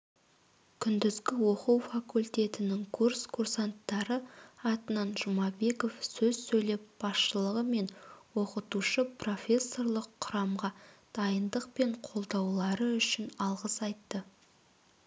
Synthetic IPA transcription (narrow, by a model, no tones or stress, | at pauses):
kʲʰʏnd̪ɪzɡʲɪwo̞quwfakulʲt̪ʲe̞t̪ɪnɪŋkʰurskʰursant̪ːɑɾəɑt̪ənɑnʒʊmɑbe̞ko̞fsɵzsɵjle̞p̚b̥ɑsʃəlˠəʁəme̞nwo̞qət̪uʃəpro̞fʲe̞sːo̞rlˠəqʰːʊɾɑmʁɑd̪̥ɑjənd̪əqpe̞ɴqʰo̞lˠd̪ɑwlˠɑɾəʏʃɪnɑlˠʁəsɑjt̪ːə